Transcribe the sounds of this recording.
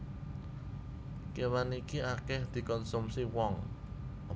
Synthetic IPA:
kewanikiakɛhd̪̥i̤kɔnsumsiwɔŋ | ɔ

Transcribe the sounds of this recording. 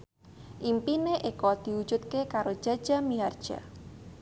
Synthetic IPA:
ʔimpineʔekɔd̪̥i̤ud̥d͡ʒut̪̚kekaɾo̥d͡ʒ̥a̤̥d͡ʒa̤miard̥ʒ̥a̰

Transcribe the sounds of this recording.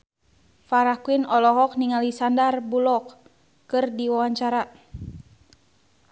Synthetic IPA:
faɾakuinɔlɔɦɔk̚niŋalisandarbulɔkː | ɨrdiwawaɲt͡ʃaɾa

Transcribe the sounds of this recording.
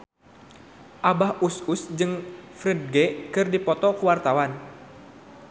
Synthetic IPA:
ʔabahususd͡ʒɨŋfɾɛd̚ɡɛkɨrdipɔt̪ɔkuwart̪awan

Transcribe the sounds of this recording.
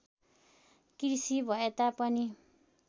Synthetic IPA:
krisibʱʌet̪apʌni

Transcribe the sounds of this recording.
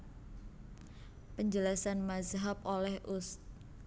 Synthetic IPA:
pəɲd͡ʒəlasanmazɦap̚olɛhʔʊs

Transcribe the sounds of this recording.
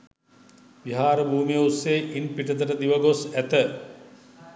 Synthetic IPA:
ʋiɦaːɾəbʱuːmijəusːeːʔinpiʈət̪̬əʈəd̪iʋəɡosæt̪ə

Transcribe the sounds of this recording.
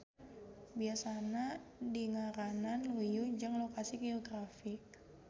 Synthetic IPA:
biasanadiŋaɾananlujud͡ʒəŋlokasiɡeoɡɾafɪk̚

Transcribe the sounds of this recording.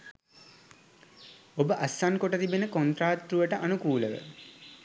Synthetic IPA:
obəʔasːaŋkoʈət̪ibenəkont̪ɾaːt̪ɾuʋəʈəʔanukuːləʋə̰

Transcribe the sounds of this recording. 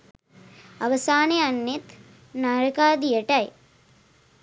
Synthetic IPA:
ɐʋɐsaːneɐnːet̪ | naːɾɐkaːd̪ijɐʈɐj

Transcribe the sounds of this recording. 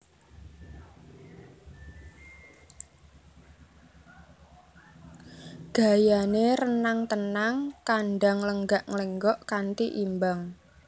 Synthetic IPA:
ɡ̥a̤janeɾənaŋt̪ənaŋkanɖaŋləŋɡaʔŋləŋɡɔʔkant̪iʔimbaŋ

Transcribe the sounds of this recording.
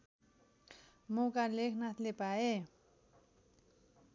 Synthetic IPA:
mokalekʰnat̪ʰlepae

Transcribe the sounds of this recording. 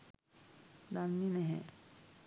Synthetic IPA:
d̪anːinɛɦɛ̃

